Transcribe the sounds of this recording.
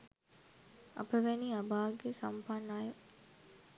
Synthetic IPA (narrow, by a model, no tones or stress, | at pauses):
ɐ̰pəʋeniɐbaːɡesɐmpanːaːjo